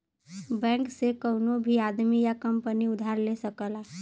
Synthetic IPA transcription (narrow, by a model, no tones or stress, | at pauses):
bɛ̃ːŋksekəʊnobʱiaːd̪mijakəmpəniʊd̪ʱaːɾlesəkəlaː